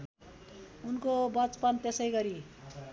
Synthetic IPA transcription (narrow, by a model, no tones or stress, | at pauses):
unkobʌt͡spʌnt̪esʌjɡʌɾi